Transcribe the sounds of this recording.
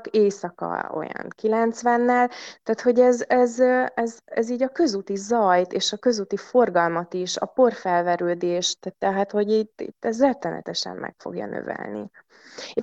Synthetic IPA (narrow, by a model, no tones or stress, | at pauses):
keːsɒkɒ̰o̞̰jɒ̰nkilɛnt̪sʋɛnːɛlt̪aːt̪ho̞ɟɛzɛzɛzɛziːɟɒkø̞zut̪izɒjt̪eːʃɒkø̞zut̪ifo̞rɡɒlmɒt̪iʃɒ̰po̞rfɛlvɛɾøːd̪eːʃt̪t̪ɛɦat̪ho̞ɟiːt̪ːḭt̪ːɛzrɛt̪ːɛnɛ̰t̪ɛʃɛ̰mːʔɛ̰kfo̞̰ɡjɒ̰nø̰vɛ̰lnḭ